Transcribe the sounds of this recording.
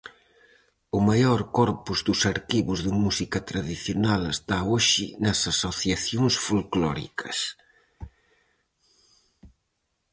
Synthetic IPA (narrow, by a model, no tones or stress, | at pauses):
ʊmajɔɾkɔɾpuzðʊsaɾkiβʊzðɪmusikɐt̪ɾaðiθjonalest̪aoʃɪnɐsasoθjaθjoŋsfulklɔɾḭkʰɐs